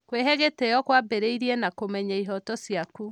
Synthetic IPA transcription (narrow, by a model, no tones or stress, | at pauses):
kweɦɛɣetejɔkwabeɾeiɾiɛnakomɛɲaiɦɔtɔsjaku